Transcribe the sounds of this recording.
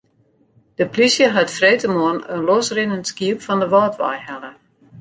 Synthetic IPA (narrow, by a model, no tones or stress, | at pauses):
d̥əplisjəɦatfreːtəmoənənlɔsrɪnəntskiəpfɔndəʋɔːtʋa̰jhɛlə